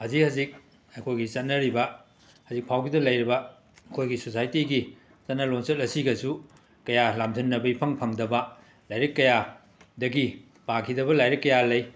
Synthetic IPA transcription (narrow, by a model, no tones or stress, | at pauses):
hɐzikhɐzik̚ | ɐkʰojɡit͡ʃɐt̚nɐɾibɐ | hɐzik̚pʰawɡidɐlɐjɾibɐ | ɐkʰojɡisosajtiɡi | t͡ʃɐt̚nɐloŋsɐt̚ɐsiɡɐsu | kɐjalamzʰʱɐnːɐbɐipʰɐŋpʰɐŋdɐbɐ | lajɾɐkːɐja | dɐɡi | pakʰidɐβɐlajɾikːɐjalɐj